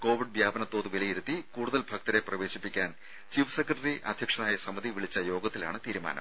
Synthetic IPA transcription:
ko̞ːʋiɖʋjaːbɐnɐt̪ːo̞ːðuʋilɐjiɾut̪ːikuːɽuðɐlbʱɐk̚t̪ɐɾe̞prɐʋe̞ːɕipːikʲːaːn | t͡ɕiːʋsekɾɐʈɐriʔɐd̪ʱjɐkʂɐnaːjɐsɐmɐðiʋiɭit͡ɕːɐjo̞ːɡɐt̪ːila̰ːɳɨt̪iːɾuma̰ːnɐ̰m

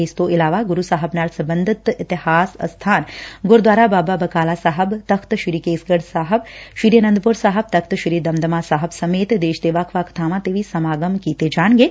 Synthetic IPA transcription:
eːst̪oʔɪlaːʋaɡʊɾusaːɦəbnaːɾsɐbənd̪ʱit̪ɪt̪ɪhaːsɐ̰st̪ʰaːnɡʊɾd̪ʋaːɾabaːbabɐkaːlaːsaːɦəbt̪ɐkʰt̪ʃiɾiːkeːsɡəɽsaːɦəbʃiɾjənɐnd̪əpuɾsaːɦəb̚t̪ɐk̚ʰt̪ʃiɾiːd̪ɐmd̪əmaːsaːɦəbsɐmeːt̪d̪eːʃd̪eːʋaːkʰʋaːkt̪ʰaːmãt̪eːʋisɐmaːɡəmkiːt̪ed͡ʒaːɳɡe

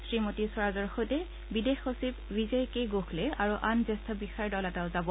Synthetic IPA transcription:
sɹimotisɔɹazɔɹxojtɛ | bidexosibɹizejkejɡoxlɛaɹuʔanzɛstʰɔbixaɹdɔlɛtaʊzabɔ

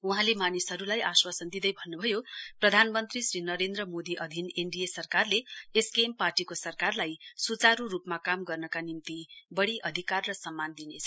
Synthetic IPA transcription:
uɦãlemanisɦʌɾulajaswasʌnd̪id̪ʌjbʱʌnːubʱʌjoprʌd̪ʱanmʌnt̪risrinʌɾend̪rʌmod̪iʔʌd̪ʱineɳɖiesʌrkarleeskemparʈikosʌrkarlajsut͡saɾuɾupmakamɡʌrnʌkanimt̪ibʌɽiʔʌd̪ʱikarːʌsʌmːand̪inet͡sʰʌ

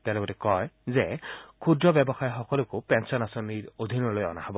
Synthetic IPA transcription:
t̪alɛbɔtɛkɔjzɛkʰudɹɔbɛbɔxajxɔkɔlʊkʊpɛnsɔnasoniɹod̪ʱinɔɹlojɔ̰nahɔbɔ

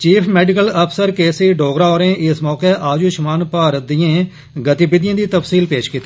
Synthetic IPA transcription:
t͡ʃiːpʰmɛːɖɪkələpʰsəɾkeːsiːɖoːɡɾaːoːɾẽːʔɪsmɔːkeːʔaːd͡ʒuːʃmaːnpaːɾət̪̚d̪ijãː | ɡət̪ibɪd̪ɪjãːd̪iːt̪əpsiːlpeːʃkit̪ːeː

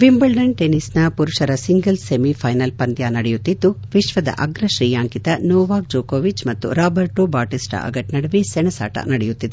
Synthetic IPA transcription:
ʋimbɐlɖɐɳʈenisnɐpuɾuʂɐɾɐsiŋɡɐlsemipʰɐjnɐlpɐnd̪jaːnɐɽɛjut̪ːid̪ːuʋiʃʋɐd̪ɐ̰ʔɐɡɾɐʃɾiːjaːŋkit̪ɐnɔːʋaːk̚d͡ʒoːkoːʋit͡ʃmɐt̪ːṵɾaːbɐɾʈobaːʈisʈɐ̰ʔɐ̰ɡɐʈnɐɽɐʋisɛnɐsa̰ːʈɐ̰nɐɽɛjut̪ːid̪e

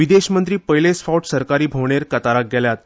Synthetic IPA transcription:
ʋid̪eɕmənt̪ɾiːpəjlesfawʈsəɾkaɾiːbʱoʋɳ̃eɾkət̪aɾak̚ɡɛljat̪̚

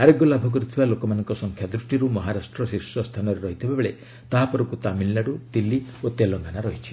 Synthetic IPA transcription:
aɾeɡɡolabʱɔɡɔɾit̪ʰibalokɔmanɔŋkɔsɔŋkʰjad̪ɾusʈiɾumɔɦaɾasʈɾɔsiɾsɔst̪ʰanɔɾeɾɔɦit̪ʰibabɔɭe | t̪aɦapɔɾɔkut̪aminlaɽut̪ilːiot̪elɔŋɡanaɾɔɦit͡ʃʰi̥

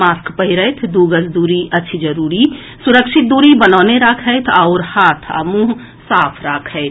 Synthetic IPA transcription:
maːskpəɦiɾəjt̪ʰd̪uɡəsd̪uːɾiʔətːʃʰid͡ʒəɾuːɾi | suɾəkʃɪt̪̚d̪uːɾibənaːneɾakʰəɪt̪ʰaʊɾhaːt̪ʰə̰mũɦ | saːpʰɾaːkʰəɪt̪ʰ

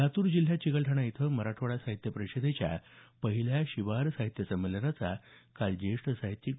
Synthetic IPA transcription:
at̪uːɾd͡ʑil̤ːjat͡ɕikəɭʈʰəɽait̪ʰəməɾaʈʰʋəɭasaɦit̪jəpɾəɕəd̪ʱet͡ɕja̰pəɦiljaɕiʋaɾsaɦit̪jəsəmelənat͡sa̰kald͡ʑeʂʈsaɦit̪ːi

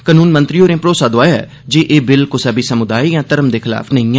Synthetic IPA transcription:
kənuːnmənt̪ɾiːoːɾẽːpɾoːsaːd̪oaːjɛ̰ː | d͡ʒeːʔeːbɪlkʊsabiːsəmʊd̪aːiːjãːt̪əɾəmd̪eːkʰɪla̰ːfʰnəɦĩːɛ̃ː

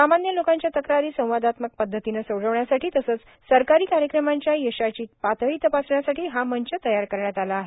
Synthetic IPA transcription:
samanjəlokãɲt͡ɕjat̪əkɾaɾiːsə̃w̃ʋad̪ʱat̪mək̚pəd̪ʱːət̪inəsəwɽəʋɳjasaʈʰiːt̪əsəːt͡s | səɾkaɾiːkaɾjəkɾəmãɲt͡ɕjajəɕat͡ɕiːpat̪əiːt̪əpasɳjasaʈʰiːɦaməɲt͡ɕət̪əjaɾkəɾɳjat̪alaːɦe

